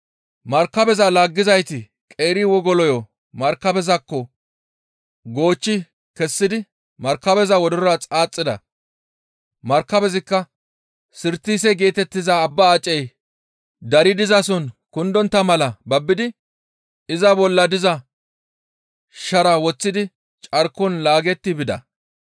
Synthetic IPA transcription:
mɐɾkːɐbɛzɐlaːɡːɪzɐjt̪ɪ | kʼe̞ːɾɪwɔɡɔlɔjɔ | mɐɾkːɐbɛzɐkːɔ | ɡo̞ːt͡ʃːɪ | kɛsːɪd̪ɪ | mɐɾkːɐbɛzɐwɔd̪ɔɔɾɐt͡sʼaːt͡sʼːɪd̪ɐ̰ | mɐɾkːɐbɛzɪkːɐ | sɪɾt̪ːiːs̬ɛɡe̞ːt̪ɛt̪ːɪzɐːbːɐːt͡ʃʼːɛj | d̪ɐɾɪd̪ɪzɐsɔnkʊnd̪ɔnt̪ːɐmɐlɐbɐbːɪd̪ɪ | ɪzɐbɔlːɐd̪ɪzɐ | ʃɐɾɐwɔt͡sːɪd̪ɪ | t͡ʃʼɐɾkːɔnlaːɡɛt̪ːɪbɪd̪ɐ̰

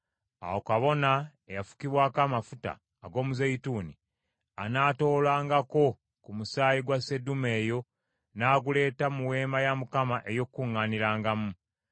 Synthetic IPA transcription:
a̰wokaβo̞na | ejafu̥kiβwaːkaːmafuta̰ːɡo̞ːmuzejituːni | a̰naːto̞ːlaːŋɡako̞ | kumusaːjiɡwase̞dume̞ːjo̞ | naːɡule̞ːtamuwe̞ːmajamukamaʔe̞jo̞kːuŋːaːniɾaːŋɡamu

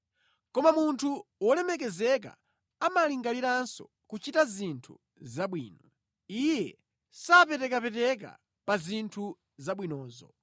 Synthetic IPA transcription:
kɔmamuntʰuwɔlɛmɛk̬ɛzɛk̬a̰ | amaliŋɡaliɾansɔ̰ | kut͡ʃitazintʰṵ | zaɓwiːnɔ | ijɛ | sapɛtɛkapɛtɛk̬a̰ | pazintʰu | zaɓwinɔːzɔ̰

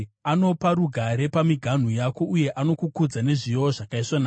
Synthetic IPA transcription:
ano̞paɾuɡʱaɾe̞pamiɡʱan̤ujako̞uje̞ʔano̞kukud͡zane̞ʐijoʐakaiswanaː

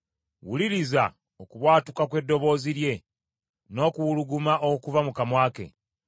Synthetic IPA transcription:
wuliɾiza̰ | okuβwaːtukakwe̞dːo̞βo̞ːziɾje̞ | no̞ːkuwuluɡumaʔokuvamukamwaːke̞̰

